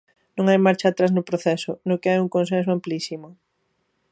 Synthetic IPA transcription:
nõŋajmaɾt͡ʃaːt̪ɾaznʊpɾoθɛsʊnokeajuŋkõns̬ẽns̬ʊamplisimʊ

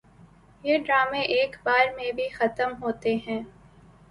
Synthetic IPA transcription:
jeɖɾaːmẽʔeːkbaːɾmẽbʱixɐt̪əmɦoːt̪eɦɛ̃ː

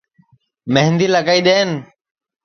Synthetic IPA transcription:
meɦnd̪iːləkaːiːɗeːn

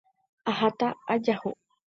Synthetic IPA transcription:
ahat̪aad͡ʒaho

